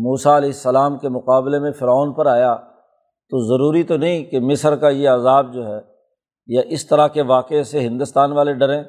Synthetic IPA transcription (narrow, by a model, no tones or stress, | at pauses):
muːsaɐlɛːɪsːɐlaːmkemʊqaːblemẽfɪɾɔːnpɐɾaːja | t̪ozɐɾuːɾit̪onɐɦĩkemɪsəɾkajeɐzaːb̚d͡ʒoːɦɛː | jaʔɪst̪ɐɾakeʋaːqeseɦɪ̃nd̪ʊst̪aːnʋaːleɖɐɾẽː